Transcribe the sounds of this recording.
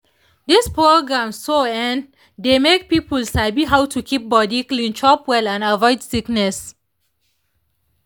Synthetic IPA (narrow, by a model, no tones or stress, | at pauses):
dispɹoɡɹãmsoɛ̃n | demek̚pipəlsabiɦawtʰukʰip̚bɔdiklĩnt͡ʃɔpwɛlãnavɔɪdsiknɛs